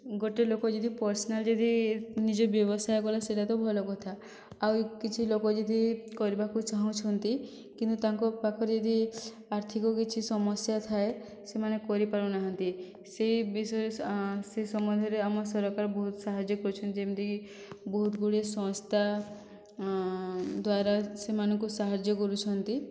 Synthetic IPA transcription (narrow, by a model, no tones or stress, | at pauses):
ɡoʈelokɔd͡ʒɔd̪ʱipɔɾsɔnald͡ʒɔd̪ʱinid͡ʒɔbjɔbɔsajkɔlaseʈat̪ɔbʱɔlɔkɔt̪ʰa | awkit͡ʃʰilokɔd͡ʒɔd̪ʱikɔɾibakut͡ʃaɦũt͡ʃʰɔnt̪i | kint̪ut̪aŋkɔpakʰɔɾd͡ʒɔd̪ʱi | aɾt̪ʰikɔkit͡ʃʰisɔmɔsjat̪ʰae | semanekɔɾipaɾunaɦɔnt̪i | seibisɔɾsesɔmɔnd̪ʱɔɾeamɔsɔɾɔkaɾɔbɔɦut̪ɔsaɦad͡ʒɔkɔɾut͡ʃʰɔnt̪id͡ʒemit̪iki | bɔɦut̪ɡuɽesɔ̃st̪a | d̪waɾasemanɔŋkusaɦad͡ʒɔkɔɾut͡ʃʰɔnt̪i